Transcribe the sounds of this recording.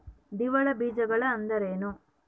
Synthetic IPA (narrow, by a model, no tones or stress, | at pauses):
d̪iʋɐɭɐbiːd͡ʒɐɡɐɭɐːnd̪ɐɾeːnu